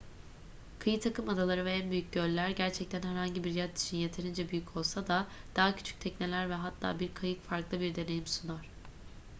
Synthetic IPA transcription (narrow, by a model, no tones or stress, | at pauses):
kʰɯjɯt̪ʰakɯmad̪alˠaɾɯvɛænbyjyc̚ɟølʲːæɾɟæɾt͡ʃʰɛc̚t̪ʰænhæɾhaɲɟibiɾjat̪i̥t͡ʃʰinje̞t̪ʰe̞ɾind͡ʒɛbyjycʰo̞lˠsad̪ad̪̥aːacʰy̥t͡ʃʰy̥c̚t̪ʰɛcne̞lʲæɾvɛɦat̪ʰːa̰ːbiɾkʰajɯkfaɾklˠɯbiɾd̪e̞ne̞jimsunoɾ̥